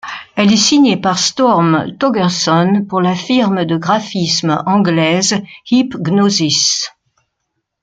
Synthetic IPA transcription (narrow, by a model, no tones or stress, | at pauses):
ɛlɛsiɲepaʁst̪ɔʁmt̪ɔɡɛʁsɔnpuʁlafiʁməd̪əɡʁafismɑ̃ɡlɛzhipɡnozis